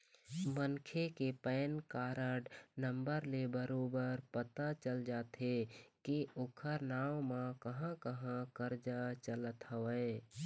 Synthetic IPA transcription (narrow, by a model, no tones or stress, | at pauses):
mənkʰekepɛːnkaːɾəɖnəmbəɾlebəɾoːbəɾpət̪at͡ʃəld͡ʒaːt̪ekiokʰəɾnaːwmãkəɦãkəɦãkəɾd͡ʒat͡ʃələt̪ɦəʋə